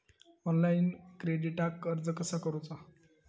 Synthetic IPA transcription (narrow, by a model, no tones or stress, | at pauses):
ɔnlainkɾeɖiʈakəɾd͡zəkəsakəɾut͡sa